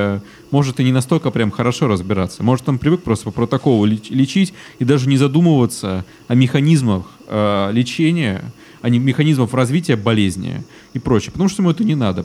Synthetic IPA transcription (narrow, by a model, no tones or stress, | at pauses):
mo̞ʐɨt̪ɨnʲɪnɐst̪o̞lʲkəpɾʲamxəɾɐʂo̞ɾəzbʲɪɾat̪sːəmo̞ʐɨt̪nampɾʲɪvɨk̚pɾost̪əpəpɾət̪ɐko̞lˠʊlʲɪlʲɪt͡ɕitʲɪd̪aʐɨnʲɪzɐd̪uməvət̪sə | ɐmʲɪxɐnʲizməx | əlʲɪt͡ɕenʲɪjə̰ | ɐnʲɪmʲɪxɐnʲizməfrɐzvʲitʲɪjəbɐlʲezʲnʲɪ̰ | ɪpɾo̞t͡ɕɪjəpət̪ɐmuʂt̪oɪmuɛt̪ənʲɪnad̪ə